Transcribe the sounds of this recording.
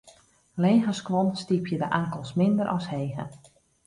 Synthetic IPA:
leːɣəskʋɔnstipʰjədəʔaŋkəlˠsmɪndəɾʔɔsheːɣə̰

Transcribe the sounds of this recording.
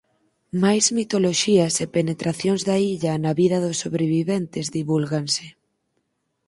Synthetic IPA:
majzmit̪oloʃiɐsepenet̪ɾaθjoŋzðɐiʎɐnaβiðɐðʊsːoβɾeβiβent̪ɪzðiβulɣaŋsɪ

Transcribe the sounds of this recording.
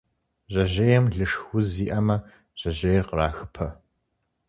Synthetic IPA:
ʑɐʑejɛmɮɨʂxʷʊziːʔɐmɐ | ʑ̥ɐʑejrqəraːxɨpʰɐ

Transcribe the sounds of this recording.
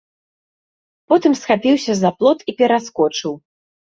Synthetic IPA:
pɔt̪ɨmsxapʲiwsʲɐzaplˠɔt̪ipʲɛɾaskɔt͡ʂɨw

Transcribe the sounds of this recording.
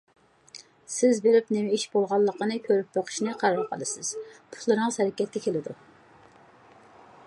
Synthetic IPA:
sɪzbeɾɪpnemɛiʃbolˠʁɑlˠːəqənɨkʲʰøɾyp̚bɑqʰɨ̥ʃnɨqʰɑɾɑɾˠqʰə̰lˠɨsɪz̥pʰʊ̥t̪lˠɨɾɨŋshæɾɛkʲɛt̪̚kːʲɛkʲʰelɪd̪u

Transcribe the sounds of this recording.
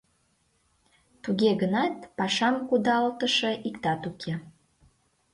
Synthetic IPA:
t̪uɣeɣənɑt̪pɑʃɑmkud̪ɑlt̪əʃeʔikt̪ɑt̪ukʰe

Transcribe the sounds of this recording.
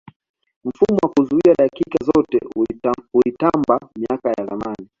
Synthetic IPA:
m̩fumɔwakuzuiaɗakikazɔtɛ̰ | ulitambamiakajaða̰mani

